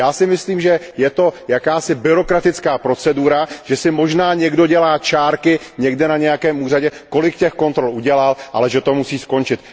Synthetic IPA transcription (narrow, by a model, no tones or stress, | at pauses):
jaːsɪmɪsliːmʒɛ | jɛt̪o̞jakaːsɪbɪɾo̞kɾat̪ɪt͡skaːpɾo̞t͡sɛduɾaʒ̥ɛsɪmo̞ʒnaːɲɛɡdo̞ɟɛlaːt͡ʃaːɾkɪ | ɲɛɡdɛnaɲɛjakɛːmuːraɟɛko̞lɪkcɛxko̞nt̪ɾo̞lʔuɟɛlalʔa̰lɛʒɛt̪o̞musiːsko̞nt͡ʃɪt̪